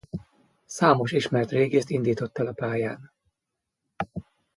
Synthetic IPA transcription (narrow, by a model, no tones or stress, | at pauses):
saːmo̞ʃiʃmɛrt̪reːɡeːst̪ind̪iːt̪o̞t̪ːɛlɒpaːjaːn